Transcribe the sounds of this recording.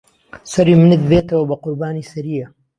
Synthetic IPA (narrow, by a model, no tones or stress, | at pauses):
sɐɾimɨnɨd̪beːt̪ɐwɐbɐqʊɾbaːnisɐɾijɐ